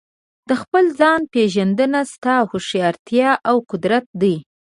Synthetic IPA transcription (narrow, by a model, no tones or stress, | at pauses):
d̪̥əxpəld͡zɑnpeʒand̪ənast̪ɑhoʃjɑɾt̪jɑʔawqʊd̪ɾat̪̚d̪əj